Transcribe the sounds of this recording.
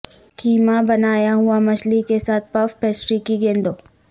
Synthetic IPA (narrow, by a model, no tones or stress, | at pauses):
kiːmabɐnaːjaɦʊamɐʃlikesaːt̪̚ʰpɐfpɛːsɾikiɡẽːnd̪oː